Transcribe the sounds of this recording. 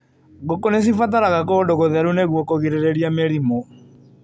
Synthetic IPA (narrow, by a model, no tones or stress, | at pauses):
ɣokones̬ifat̬aɾaɣakoːdoɣoðɛɾuneɣwɔkoɣiɾeɾeɾiameɾimo